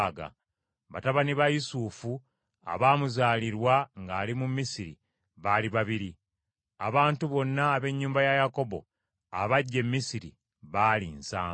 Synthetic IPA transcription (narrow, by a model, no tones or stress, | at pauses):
ɡa̰ | βa̰taβaniβajusuːfu | a̰βaːmuzaːliɾwaŋɡaːlimumːisiɾḭ | βaːliβaβiɾi | a̰βaːntuβo̞nːaːβe̞ɲːuːmbajajako̞βbo̞̰ | a̰βaɟːe̞mːisiɾḭ | βaːlinsaː